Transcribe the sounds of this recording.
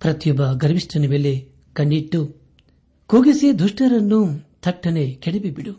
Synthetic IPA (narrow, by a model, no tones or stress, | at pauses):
pɾɐt̪jɔbɐɡɐɾʋiʂʈɐnɐmeːle | kɐɳɖiʈːu | koːɡised̪ʱuʂʈɐɾɐnːut̪ʰɐʈːɐnekeɽibibiɽu